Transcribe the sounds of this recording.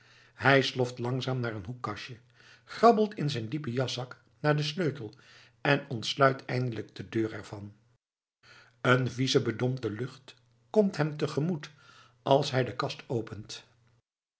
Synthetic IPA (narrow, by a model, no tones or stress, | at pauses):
hɛjslɔftlɑŋzaːmnaːɹənɦukːɑʃə | χrɑbəlˠtɪnzɛjndipəjɑsɑk | naːɹdəsløɥtəlˠ | ɛnɔntslœɥtʰɛjndələɡ̚dədøːɹɛɹv̥ɑn | ənvizəbədɔmtəlɵχt | kɔmtɦɛmtəχəmut | ʔɑlˠsɦɛjdəkɑstowpənt